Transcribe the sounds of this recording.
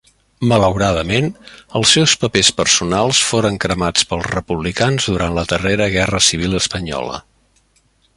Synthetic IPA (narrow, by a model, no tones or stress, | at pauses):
mələwɾaðəmenəlˠsːɛwspəpespərsunalˠsfoɾəŋkɾəmat͡spəlˠzrəpuβlikanzðuɾantləðəreɾəɣɛrəsiβ̞ilˠəspəɲɔ̰lə̰